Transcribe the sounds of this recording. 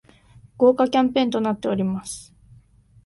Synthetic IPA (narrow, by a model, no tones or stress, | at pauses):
ɡ̥o̞ːkakʲãmpẽ̞nt̪o̞nat̪ːe̞o̞ɾʲimasɨ̥